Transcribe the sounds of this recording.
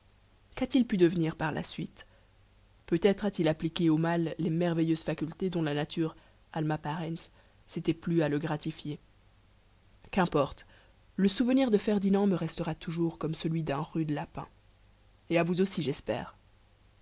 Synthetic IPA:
kat̪ilpyd̪əvniʁpaʁla̰sɥit̪ | pøt̪ɛt̪χat̪ilaplikʲeomalːemɛʁvejøzfakʲylt̪ed̪ɔ̃lanat̪ʰyʁ | almapaʁɛns | set̪ɛplyaləɡʁat̪ifje | kɛ̃pɔʁt̪ | ləsuvəniʁd̪əfɛʁd̪inɑ̃məʁɛst̪əʁat̪ʰuʒuʁkɔmsəlɥid̪ɛ̃ʁyd̪lapɛ̰̃ | eavuzosiʒɛspɛ̰ːʁ

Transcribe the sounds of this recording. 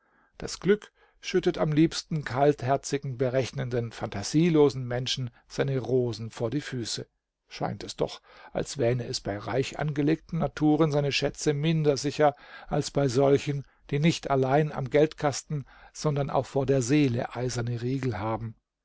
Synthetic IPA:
d̥a̰sɡ̥lʏk | ʃʏtətamliːpstn̩kʰalthɛɐt͡sɪɡŋ̩bəʁɛçnəndənfantʰaz̥iːloːzn̩mɛnʃn̩ | z̥aɪnəʁoːzn̩foːɐdiːfyːsə | ʃa̰ɪntɛsd̥ɔ̰χʔa̰lsv̥ɛːʁəɛsb̥aɪʁa̰ɪçʔa̰nɡəleːk̚tn̩natʰuːʁənzaɪnəʃɛt͡səmɪndɐzɪçɐʔalsb̥aɪzɔlçən | d̥iːnɪçtalaɪna̰mɡɛltkʰastn̩z̥ɔndɐnʔa̰ʊxfoːɐdeːɐzeːlə̰ʔaɪzɐnəʁiːɡl̩haːbm̩

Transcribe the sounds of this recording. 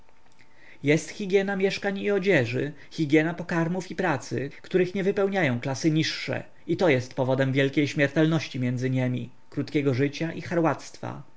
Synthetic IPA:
jɛst̪xʲiɡʲjɛnamʲjɛʂkaɲiɔd͡ʑɛʐɘ | xʲiɡʲjɛnapɔkaɾmufipɾat̪sɘ̰kt̪uɾɘxɲɛvɘpɛwɲajɔ̃w̃klasɘɲiʂːɛ̰ | it̪ɔjɛst̪pɔvɔd̪ɛmvʲjɛlkʲejɕmʲɛɾt̪ɛlnɔɕt͡ɕimʲjɛnd̪zɘɲɛmʲḭ | kɾut̪kʲɛɡɔʐɘt͡ɕaʔixaɾwat̪st̪fa̰

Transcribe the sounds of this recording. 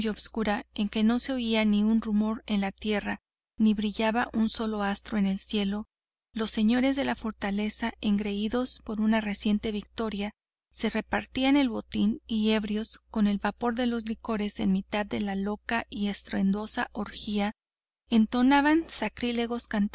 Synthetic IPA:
oβskuɾae̞ŋke̞no̞se̞o̞ianiunrumo̞ɾe̞nlat̪je̞ra | niβɾiʝaβaʔunso̞lo̞ast̪ɾo̞e̞ne̞lsje̞lo̞ | lo̞sːe̞ɲo̞ɾe̞zðe̞lafo̞ɾt̪ale̞sae̞ŋɡɾe̞iðo̞spo̞ɾunare̞sje̞nt̪e̞βik̚t̪o̞ɾja | se̞re̞paɾt̪iane̞lβo̞t̪inie̞βɾjo̞sko̞ne̞lβapo̞ɾðe̞lo̞zliko̞ɾe̞se̞nmit̪aðːe̞lalo̞kaie̞st̪ɾe̞nd̪o̞saʔoɾxia | ent̪o̞naβansakɾile̞ɣo̞skant̪

